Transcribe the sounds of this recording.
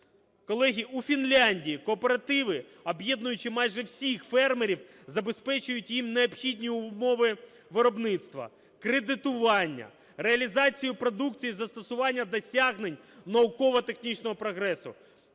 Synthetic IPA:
kɔlˠɛɦʲiufʲinlʲanʲdʲijikɔːpeɾɐt̪ɪʋɪ | ɐbjɛd̪nʊjʊt͡ʃɪmɑjʒɛwsʲixfɛrmeɾʲiw | zɐbe̞spɛt͡ʃʊjʊtʲjimneɔpxʲidʲnʲijʊmɔʋɪ | ʋɪɾɔbnɪt̪st̪ʋɐ̰ | kɾed̪ɪt̪ʊʋɑnʲːɐ̰ | reɐlʲizɑt͡sʲijʊpɾɔd̪ukt͡sʲijizɐst̪ɔsʊʋɑnʲːɐd̪ɔsʲaɦnenʲ | nɐʊkɔʋɔt̪e̞xnʲit͡ʃnɔɦɔpɾɔɦɾɛsʊ̰

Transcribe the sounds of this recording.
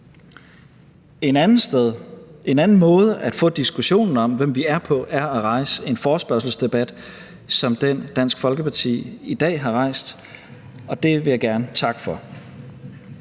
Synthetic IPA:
ðˠʔe̝nænn̩mɔ̽ːð̞ˠəʔæd̥fɔ̰̽ːd̥isɡ̥uɕo̝̰ːnn̩ɒ̽mʋem̰ʋiæɐpʰɒ̽ʔæɐæʁɑ̈ɪsəe̝nfɒːsb̥ɶɐsl̩sd̥e̝b̥æd̥ | sɒ̽md̥en̰d̥æn̰sɡ̥fɒ̽lɡ̥əpʰɑ̈t͡sʰḭːid̥ɛ̰ːɦɑ̈ʁɑ̈ɪ̰sd̥ | ɒ̽d̥e̝ʋe̝jɑ̈ɪɡ̥æɐnət͡sʰɑ̈ɡ̥fɒ̽

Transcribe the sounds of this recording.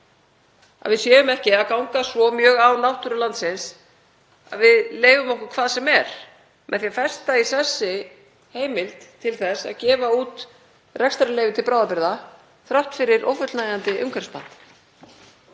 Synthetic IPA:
a̰ðvɪðsjɛːʏmɛhcɪaðkawŋkasvɔmjœːɣawnawht̪ʏɾʏlant̪sɪns | a̰ðvɪðleːjvʏmɔhkʏkʰvaːðsɛmɛɾ̥ | mʔɛ̰ðθiafɛ̥st̪aisɛsːɪ | heːjmɪlt̪t̪ʰɪlθɛsa̰ðcɛːvauːt̪ | rɛkst̪aɾlejvɪt̪ʰɪlpɾaːwðapɪɾða | θɾawht̪fɪɾɪɾʔo̰wfʏt̪lnaːjant̪ɪʔʏŋkʰɛɾspant̪

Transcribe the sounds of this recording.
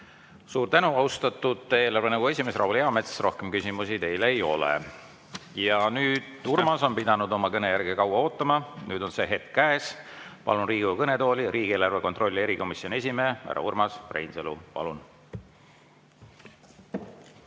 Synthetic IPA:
suːrt̪ænuɑwst̪ɑt̪ːˑud̪ˑe̞ːlɑrve̞næɡue̞sʲime̞srɑwuleɑmet̪ssrʔo̞hke̞mkysimusit̪e̞jleːjo̞lḛ | jɑnyːd̪̥urmɑso̞npid̪ɑnud̪o̞mɑkɤnejærɡ̥ekɑwɑo̞ːt̪ːˑɑmɑnyːd̪̥o̞nse̞ɦe̞t̪kkæespɑ̰lunriːɡ̥ukɤne̞t̪o̞ːlʲiɾʔiːɡ̥ieːlɑrve̞kot̪ro̞lʲːie̞ɾiko̞misjo̞nie̞sʲimeːæ̰ɾɑ̰urmɑsprḛjnselṵpɑ̰lun

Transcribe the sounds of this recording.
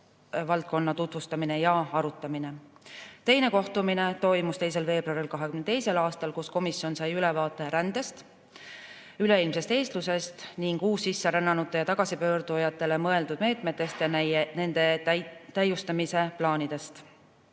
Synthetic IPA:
vɑlt̪̚ko̞nːɑt̪ut̪vust̪ɑmine̞jɑɑɾut̪ˑːɑmine̞t̪e̞jne̞ko̞ht̪umine̞t̪o̞jmust̪e̞js̬e̞lve̞ːb̥rɑɾilkɑɦekymnd̪e̞jse̞lɑːst̪ɑlkusko̞misio̞nsɑjylevɑːt̪ˑːe̞ɾænd̪̥e̞st̪ | yle̞ilmse̞st̪e̞ːst̪luse̞st̪niŋɡ̥uːsːisːe̞ɾænːɑnut̪ˑːe̞jɑt̪ɑɡ̥ɑsipø̞ːɾd̪ujɑt̪ˑːe̞le̞mɤe̞ld̪ud̪̥me̞ːt̪ˑme̞t̪ːˑe̞st̪jɑnæjne̞nd̪̥e̞t̪æjːust̪ɑmise̞plɑːnid̪e̞st̪

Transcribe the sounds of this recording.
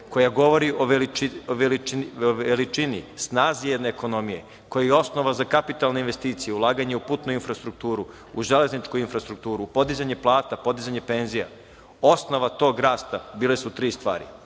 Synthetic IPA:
ko̞jaɡo̞ʋo̞ɾiʔooʋel | elit͡ʃinisnaːzijed̪ne̞ːko̞no̞mije̞̰ | ko̞jajeo̞sno̞ʋazakapit̪alne̞inʋe̞st̪iːt̪sijeulˠaːɡaɲeupuːt̪nuinfɾast̪ɾuk̚t̪uːɾu | uʒe̞le̞znit͡ʃkuinfɾast̪ɾuk̚t̪uːɾupo̞d̪izaɲe̞plˠaːt̪apo̞d̪izaɲe̞pe̞nzija̰ | o̞sno̞ʋat̪o̞ːɡɾaːst̪abiːlˠe̞sut̪ɾiːst̪ʋa̰ːɾḭ

